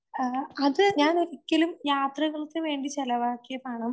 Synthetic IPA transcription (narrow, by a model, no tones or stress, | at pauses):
ɐðɨɲaːniɾikʲːɐlumjaːt̪rɐɣɐɭuk̪ːeʋe̞ːɳɖit͡ɕelɐʋaːkːijɐpaːɳɐm